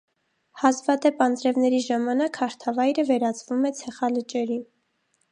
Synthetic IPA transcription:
hɑzvɑd̪ɛpɑnd͡zɾɛvnɛɾiʒɑmɑnɑkhɑɾt̪ʰɑvɑjɾəvɛɾɑt͡svumɛt͡sʰɛχɑlət͡ʃɛɾin

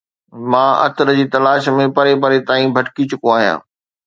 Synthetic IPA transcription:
mãːʔɐ̰t̪ɾəd͡ʑiːt̪ɐlaːʃmẽpɐɾepɐɾet̪aːĩbʱɐʈkit͡ɕʊkoaːɦijã̰ː

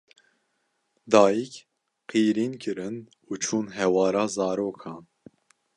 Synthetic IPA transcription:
d̪ɑːjik | qʰiːɾiːnkʰɨɾɨn | ut͡ʃʰuːnɦɛwɑːɾɑːzɑːɾoːkʰɑːn

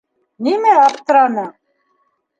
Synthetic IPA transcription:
nimɛapt̪ɾana

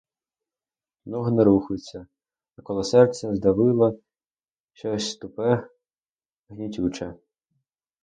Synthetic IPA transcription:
nɔɦnɛɾuxʊjt͡sʲːɐ | ɐkɔlˠɔsɛrt͡sʲːɛzd̪ɐʋɪlˠɐ | ʃt͡ʃɔsʲst̪ʊpɛ | ɦnʲitʲut͡ʃɛ

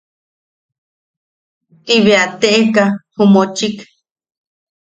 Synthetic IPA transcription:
t̪iβeat̪eʔekahumot͡ʃik

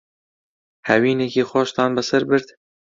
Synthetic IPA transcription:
hɛwiːnekiːxʷɑːʃt̪ɑːnbɨsɛɾbɨɾd̪

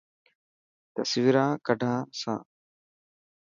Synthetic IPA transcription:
t̪əsʋɪɾãːkəɖʱãːsã̰ː

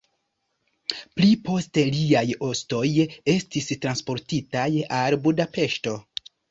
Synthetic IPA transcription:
plipo̞ste̞liajo̞sto̞je̞stistɾanspo̞ɾtitajalbudape̞ʃto̞

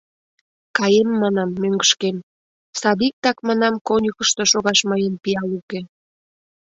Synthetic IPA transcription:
kɑjemːɑnɑmːøŋɡəʃkem | sɑβik̚t̪ɑkmɑnɑmkonʲukəʃt̪oʃoɣɑʃməjənpiɑluke

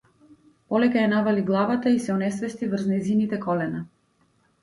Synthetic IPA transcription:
pɔlɛkajanavaliɡlˠavat̪aisɛɔnɛsvɛst̪ivɾ̩znɛzinit̪ɛkɔlɛna

